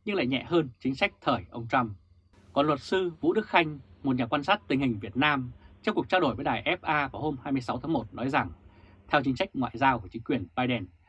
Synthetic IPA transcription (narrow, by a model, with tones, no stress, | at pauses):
ɲɨ˧ŋla̰ː˧˨jɲɛ̰˧˨həː˧nt͡ɕï˨˦ŋ̟sa˦˥k̚t̪ʰəː˨˩jʔə˧wŋ͡mt͡ɕa˧m | kɔ˨˩nlwə˨˩t̚sɨ˧vṵ˧˥ɗɨ˦˥k̚xa˧jŋ̟mo˨˩t̚ɲaː˨˩kwaː˧nsaː˦˥t̚t̪ï˨˩ŋ̟hï˨˩ŋ̟vi˨˩ət̚naː˧mt͡ɕɔ˧ŋ͡mku˨˩ək̚t͡ɕa˧ɗo˧˩jvəː˨˦jɗaː˨˩jʔɛ˦˥p̚ʔaː˧vaː˧˩ho˧mhaː˧jmɨ˧əsa˨˦wt̪ʰaː˨˦ŋmo˨˩t̚nɔ˨˦jza˨˩ŋ | t̪ʰɛ˧wt͡ɕi˨˦ŋ̟sa˦˥jk̟̚ŋwa̰ː˧˨jzaː˧wku˧˩ət͡ɕï˨˦ŋkwi˨˩ənɓaː˧jɗɛ˨˩n